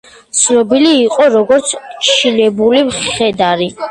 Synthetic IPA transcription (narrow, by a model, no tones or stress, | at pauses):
t̪sʰnɔbiliːqʼɔɾɔɡɔɾt̪sʰt͡ʃʰinɛbulimχɛd̪aɾi